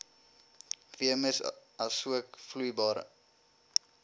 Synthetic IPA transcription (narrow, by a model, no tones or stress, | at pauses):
viəməsɐsuəkflujbɑːɾ